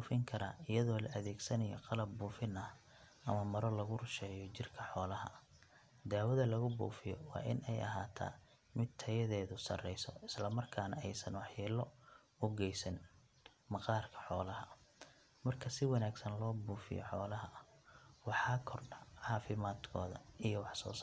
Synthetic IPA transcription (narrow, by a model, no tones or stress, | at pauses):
buːfɪŋkʰɐɾa̰ːʔɪjɐðɔːlɐʔɐðɛːɡsɐnɐjɔ̰qɑlɐbːuːfɪnɐh | ʔɐmɐmɐɾɔlɐɣʊrʊʃɛːjɔt͡ʃɪrkʰɐħɔːlɐɦɐ̰ | d̪aːwɐðɐlɐɣʊbṵːfɪjɔ̰wɑ̰ːʔɪ̰nɛjʔɐ̰ɦaːt̪ʰa̰ː | mɪd̪t̪ʰɐjɐðɛːðʊsɐ̰rɛjsɔ̰ʔɪslɐmɐrkʰaːnɐɛjsɐnwɑħjɛːlɔ | ʊɡɛjsɐn | mɑqɑːrkʰɐ̥ħɔːlɐɦɐ | mɐrkʰɐsɪwɑnaːɡsɐnlɔːbuːfɪ̰jɔ̰ħɔːlɐɦɐ | wɑħɑːkʰɔrɖɐʕɑːfɪmaːd̪kʰɔːðɐ̰ijɔwɑħsɔ̰ːsa